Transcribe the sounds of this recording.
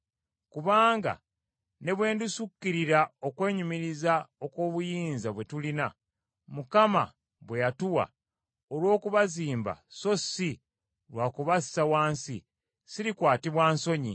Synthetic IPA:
kuβaːŋɡa̰ | ne̞βwe̞ːndusukːiɾiɾao̞kwe̞ːɲumiɾizao̞ko̞ːβujiːnzaβwe̞tulina | mukama̰ | βwe̞jatuwa̰ | olwo̞ːkuβaziːmba̰so̞si | lwaːkuβasi̥sawaːnsḭ | siɾikwaːtiβwaːnso̞ɲḭ

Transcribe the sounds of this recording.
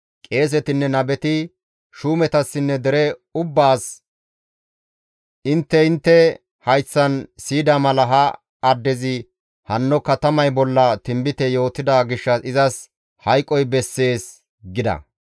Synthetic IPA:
kʼe̞ːs̬ɛt̪ɪnːɛnɐbɛt̪ɪ | ʃuːmɛt̪ɐsːɪnːɛd̪ɛɾɛʊbːaːs | ɪnt̪ːɛɪnt̪ːɛ | hɐjt͡sːɐnsiːd̪aːmɐlɐɦɐ | ɐd̪ːɛzɪ | hɐnːɔkɐt̪ɐmɐjbɔlːɐt̪ɪmbɪt̪ɛjo̞ːt̪ːɪd̪aɡɪʃːɐsɪzɐs | hɐjkʼːɔjbɛsːe̞ːs | ɡɪd̪ɐ̰

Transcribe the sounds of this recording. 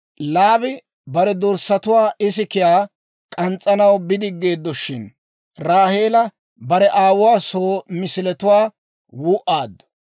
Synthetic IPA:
laːbɪ | bɐɾɛd̪ɔɾsːɐt̪ʊwaːʔɪsɪkɪjaː | kʼɐnt͡sʼːɐnɐwbɪd̪ɪɡːe̞ːd̪ːɔʃɪn | ɾaːhe̞ːlɐ | bɐɾɛʔaːwʊwaːsoːmɪsɪlɛt̪ʊwaː | wʊʔaːd̪ːɔ̥

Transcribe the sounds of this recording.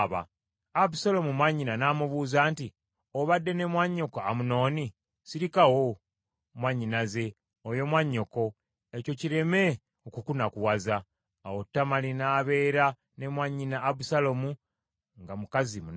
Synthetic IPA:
βa̰ | aβusalomumwaɲːinanaːmuβuːzaːnti | oβadːe̞ne̞mwaɲːo̞koamuno̞ːni | siɾikawo | mwaɲːinaze̞ | ojo̞mwaɲːo̞ko̞ | eco̞ciɾe̞me̞ | okukunakuwazaː | wotːamalinaːβe̞ːɾa | ne̞mwaɲːinaːbusalomu | ŋɡamukazimun

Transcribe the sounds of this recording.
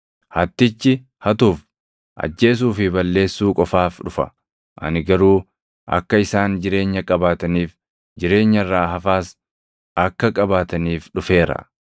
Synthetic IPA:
hɐt̪ːɪt͡ʃːɪ | hɐt̪uːf | ʔɐ̰d͡ʒːe̞ːs̬uːfɪbɐlːe̞ːsːuːkʼɔfaːfᶑʊfɐ̰ | ʔɐ̰nɪɡɐɾuː | ʔɐ̰kːɐɪsaːnd͡ʒɪɾe̞ːɲːɐkʼɐbaːt̪ɐniːf | d͡ʒɪɾe̞ːɲːɐrːaːɦɐfaːs | ɐkːɐkʼɐbaːt̪ɐniːfᶑʊfe̞ːɾɐ̰

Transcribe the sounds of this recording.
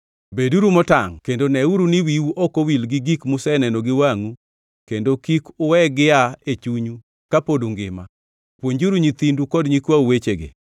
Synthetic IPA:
beduɾumɔtaŋkendonɛuɾunɪwiwuʔɔkowilɡɪɡikmʊsɛnɛnɔɡɪwaŋu | kendokikʊwɛɡɪaet͡ʃuɲu | kapodoŋɡɪ̰ma | pwoɲd͡ʒuɾuɲit̪indukɔdɲikwauwet͡ʃeɡḛ

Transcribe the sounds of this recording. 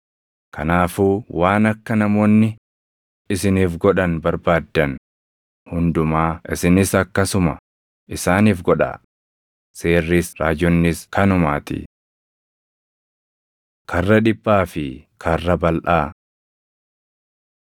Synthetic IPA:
kʰɐnaːfuːwaːnɐkːɐnɐmoːnːɪ | ɪsɪniːfɡɔᶑɐnbɐɾbaːd̪ːɐn | hʊnd̪ʊmaːʔɪsɪnɪsɐkːɐsʊmɐ | ʔɪsaːniːfɡɔᶑa̰ː | se̞ːrːiːsɾaːd͡ʒɔnːɪskʰɐnʊmaːt̪ɪ̰ | kʰɐrːɐᶑɪbːaːfɪkʰɐrːɐbɐlʔaː

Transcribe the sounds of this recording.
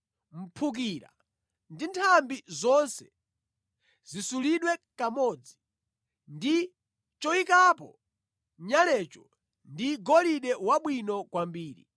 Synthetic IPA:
m̩pʰuk̬iɾa̰ | ndintʰambizɔnsɛ̥ | zisuliɗwɛkamɔd͡zi | ndi | t͡ʃɔikapɔ | ɲalɛt͡ʃɔ | ndiɡɔliɗɛwaɓwinɔkwambiːɾḭ

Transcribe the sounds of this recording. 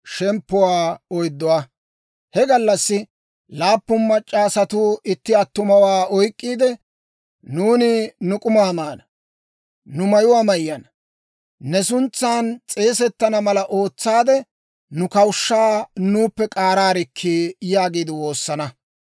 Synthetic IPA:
ʃɛmpːʊwaːɔjd̪ːɔwa | hɛɡɐlːɐsːɪ | laːpːʊnmɐt͡ʃʼːaːsɐt̪ʊɪt̪ːɪɐt̪ːʊmɐwaːɔjkʼːiːd̪ɛ | nuːnɪnʊkʼʊmaːmaːnɐ | nʊmɐjʊwaːmɐjːɐnɐ | nɛsʊnt͡sːaːnt͡sʼe̞ːsɛt̪ːɐnɐmɐlɐʔo̞ːt͡sːaːd̪ɛ | nʊkɐwʃːaːnuːpːɛkʼaːɾaːɾɪkʰːiːjaːɡiːd̪ɪwo̞ːsːɐnɐ

